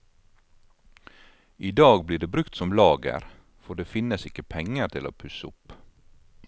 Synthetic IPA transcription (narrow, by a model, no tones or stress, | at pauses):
iːd̪ɑːɡbliːɖeːbɾʉkt̪sɔmlɑːɡə̰ɾ | fɔɖeːfɪnəsɪkːəpʰɛŋəɾt̪ʰɪlo̰ːpʰʉsəʊp